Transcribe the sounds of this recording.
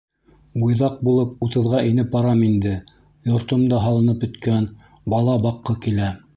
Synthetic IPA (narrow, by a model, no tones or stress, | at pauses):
ujðɑq̚bulˠɤp̚ut̪ɤ̆ðʁɑʔinɘpɑɾɑmind̪ɘ | jŏɾt̪ŏmd̪ɑɦɑlˠɤ̆nɤpɵ̆t̪kæn | bɑlˠɑbɑqːɤkilæ